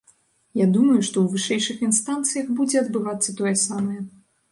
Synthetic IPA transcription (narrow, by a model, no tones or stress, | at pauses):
jad̪umɐjuʂt̪ɔwvɨʂɛjʂɨxinst̪ant̪sɨjɐxbud͡zʲɛɐd̪bɨvat̪sːɐt̪ɔjɛsamɐjɛ